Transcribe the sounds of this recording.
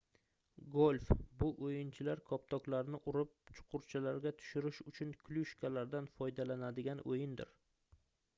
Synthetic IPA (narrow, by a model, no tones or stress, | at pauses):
ɡolʲfbʊʔojɪnt͡ʃʰɪlaɾkʰɒp̚t̪ʰɒklaɾnɪʔʊɾɪp̚t͡ʃʰʊ̥qʰʊɾt͡ʃʰalaɾɡʲat̪ʰʊ̥ʃɪɾɪʃʊt͡ʃʰʊnkʲʰlʊʃkʲʰalaɾd̪anfɒjd̪alanad̪ɪɡʲanojɪnd̪ɪ̰ɾ